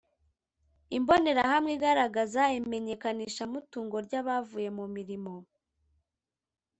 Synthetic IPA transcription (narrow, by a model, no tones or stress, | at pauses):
imbo̞ne̞ɾahamŋiɡaɾaɡazaime̞ɲe̞kaniːʃamutuːŋɡo̞ɾɟaβavuːje̞mumiɾimo̞